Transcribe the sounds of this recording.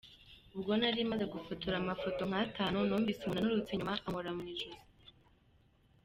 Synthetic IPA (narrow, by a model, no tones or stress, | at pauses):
ubɡo̞naɾimaze̞ɡufutuɾamafo̞to̞ŋ̥hataːnunoːmvisimunanuɾut͡seɲumaʔamoɾamuniʒuzi